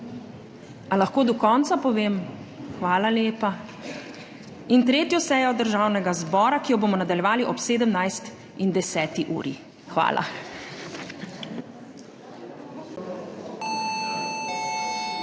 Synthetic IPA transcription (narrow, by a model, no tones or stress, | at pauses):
alaxkoːd̪ɔkɔːnt̪sapɔʋeːmxʋaːlaleːpa | int̪ɾeːt̪jɔsɛːjɔd̪əɾʒaːwnɛɡazbɔːɾakijɔboːmɔnad̪aljɛʋaːliʔɔpseːd̪əmnajst̪ | ind̪ɛsɛːt̪iʔṵːɾḭ | xʋa̰ːlʔa̰